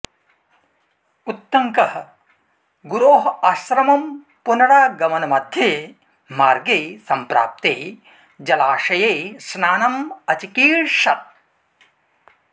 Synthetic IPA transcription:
ut̪ːɐŋkɐɦɐ̆ | ɡuɾoːɦɐɐʃɾɐmɐm | punɐɽaːɡɐmɐnɐmɐd̪ʱjeː | maːɾɡeːsɐmpɾa̰ːp̚t̪eː | d͡ʒɐlaːʂɐjeːsnaːnɐmɐt͡ʃikiːɾʃɐt̪̚

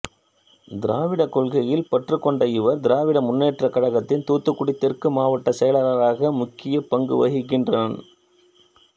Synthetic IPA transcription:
d̪ɪɾaːʋɪɽɐkːɔɭɣɐjɪlpɐʈrɯkːɔɳɖɐjɪʋɐɾd̪ɪɾaːʋɪɽɐmʊnːeːʈrɐkɐɽɐɣɐt̪ːɪnt̪uːt̪ːɯkːʊɽɪt̪ːɛrkɯmaːʋɐʈːɐsɛjɐlɐɾɐɾaːɣɐmʊkːɪjɐpɐŋɡɯʋɐɣɪk̬ːɪndraːn

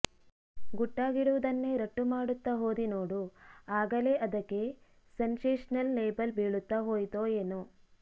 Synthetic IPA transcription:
ɡuʈːaːɡiɽuʋud̪ɐnːe̞ɾɐʈːumaːɽut̪ːɐɦo̞ːd̪ino̞ːɽuaːɡɐle̞ʔɐd̪ɐkːe̞ | sɐnseːʂɐnɐlːeːbɐlbiːɭut̪ːɐɦo̞ːjt̪oːeːnu

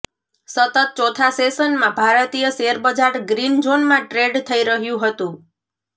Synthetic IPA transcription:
sət̪ət̪̚t͡ʃɔt̪ʰasesənmãbʱaɾt̪ijəseəɾbəd͡ʒaɾɡɾind͡ʒonmãʈɾeɖt̪ʰəiɾəɦjũɦət̪ũ

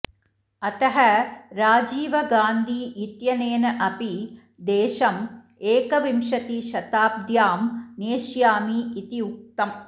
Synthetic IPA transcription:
ɐt̪ɐɦɐɾaːd͡ʒiːʋɐɡaːnd̪ʱiːʔit̪jɐneːnɐʔɐpi | d̪eːʃɐm | eːkɐʋimʃɐt̪iʃɐt̪aːb̚d̪jaːmneːʃjaːmiːt̪iuk̚t̪ɐm

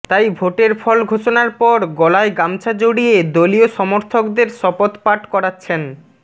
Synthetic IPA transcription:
t̪ajbʱoʈeɾfʰɔlɡʱoʃonaɾpɔɾɡɔlaeɡamt͡ɕʰad͡ʑoɽied̪olioʃɔmoɾt̪ʰokd̪eɾʃɔpot̪paʈkɔɾatːɕʰen

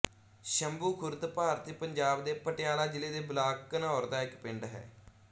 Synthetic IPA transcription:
ʃəmbuːkʰʊɾd̪paːɾt̪iːpəɲd͡ʒaːbd̪eːpəʈɪjaːlaːd͡ʒɪleːd̪eːblaːkkːənaːɾd̪aːɪkpɪɳɖɦɛ̰ː

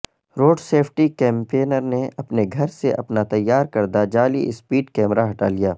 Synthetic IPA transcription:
ɾoːɖseːpʰʈikɛ̃ːmpeːnəɾneɐpneɡʱɐɾseʔɐpnat̪ɐjːaːɾkɐɾd̪ad͡ʒaːlḭɪspiːɖkɛːmɾaɦɐʈa̰ːlijaː

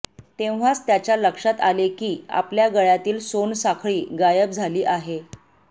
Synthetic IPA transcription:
t̪ẽʋ̤at͡st̪jat͡ɕjaləkʂat̪alekiːa̰pljaɡəɭjat̪iːlsonsakʰɭiːɡajəp̚d͡zʱaliːʔaɦe

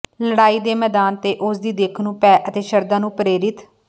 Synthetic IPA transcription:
ləɽaːiːd̪eːmɛːd̪aːnt̪eːʔʊsd̪iːd̪eːkʰnũːpɛːʔət̪eːʃəɾd̪aːnũːpɾeːɾɪt̪

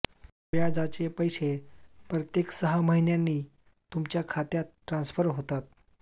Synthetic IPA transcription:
jad͡zat͡ɕepəjɕepɾət̪jeksəɦaməɦinjanːiː | t̪umt͡ɕjakʰat̪jat̪ːʈːɾãnsfəɾɦot̪at̪̚

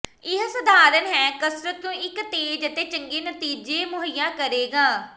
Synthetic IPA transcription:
ɪɦsəd̪ʱaːɾənɦɛ̃ːkəsɾət̪̚kõːɪkt̪eːd͡ʒət̪eːt͡ʃəŋɡeːnət̪iːd͡ʒeːmʊɦəjãːkəɾeːɡaː

